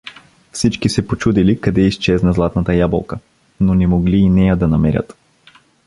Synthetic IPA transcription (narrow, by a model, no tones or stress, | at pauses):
fsit͡ʃkisɛpot͡ʃud̪ilikɐd̪ɛist͡ʃɛznɐzlˠat̪nɐt̪əjabo̰lˠkə | nonɛmoɡliːnɛjad̪ɐnɐmɛɾʲə̰t̪